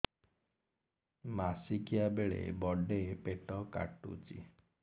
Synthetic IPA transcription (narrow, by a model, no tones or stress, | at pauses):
masikijabeɭḛbɔɖepeʈɔka̰ʈṵt͡ʃḭ